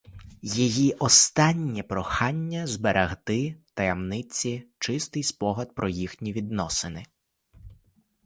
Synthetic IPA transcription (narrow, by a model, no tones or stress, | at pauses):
jijiʔɔst̪ɑnʲːipɾɔxɑnʲːɐzbeɾʔɐɦt̪ɪt̪ɐjɐmnɪt͡sʲit͡ʃɪst̪ɪjspɔɦɐd̪̚pɾʔɔjixnʲiʋʲid̪nɔsɪnɪ